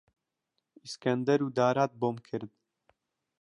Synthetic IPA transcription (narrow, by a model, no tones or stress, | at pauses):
iskɛnd̪ɛɾuːd̪aːɾaːt̪̚boːmkʰɨɾd̪̚